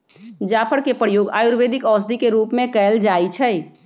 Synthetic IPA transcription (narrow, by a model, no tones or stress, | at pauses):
d͡ʒaːpʰəɽkepəɽjoːɡa̰ːjuɾʋed̪ikɔːsd̪ikeɾuːpmẽkəld͡ʒaːit͡ʃʰɛj